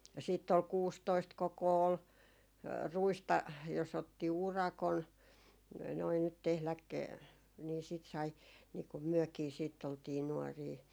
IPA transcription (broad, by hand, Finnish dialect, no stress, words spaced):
jɑ siːtː ol kuːstoist kokoː ol ruistɑ jos otːi urɑkon noi nyt tehlæk niː siˑt sɑi niː kum myøkiː siːtː oltiː nuɔriː